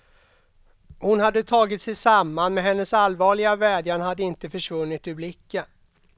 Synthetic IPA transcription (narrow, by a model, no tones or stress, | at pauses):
hʊnhad̪ːət̪ʰɑːɡɪt̪sɛjsamːanmɛɦɛnːəsalvɑːɭɪɡavɛːd̪janhad̪ːəɪnt̪əfœʂvɵnːɪt̪ɪblɪkːə